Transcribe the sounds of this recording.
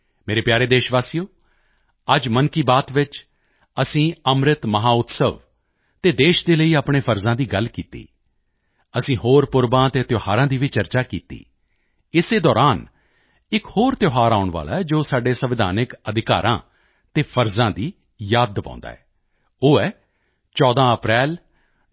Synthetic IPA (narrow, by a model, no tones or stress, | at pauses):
meːɾeːpjaːɾeːd̪eːʃʋaːsijoː | əd͡ʒmənkiːbaːt̪ʋɪt͡ʃ | əsĩːəmɾɪt̪məɦaːʊt̪səʋ | t̪eːd̪eːʃd̪eːləiːaːpɳ̃eːpʰəɾzãːd̪iːɡəlkiːt̪ḭː | əsĩːɦoːɾpʊɾbãːt̪eːt̪joːhaːɾãːd̪iːʋiːt͡ʃəɾt͡ʃaːkiːt̪ḭː | ɪseːd̪ɔːɾaːn | ɪkhoːɾt̪joːɦaːɾaːʊɳʋa̰ːla̰ːɛd͡ʒoːsaːɖeːsəʋɪd̪ʱa̰ːnɪkəd̪ɪka̰ːɾʔã̰ː | t̪eːpʰəɾzãːd̪iː | jaːd̪pã̰ʊ̃nd̪a̰ːɛː | oːɛː | t͡ʃɔːd̪ãːəpɾɛːl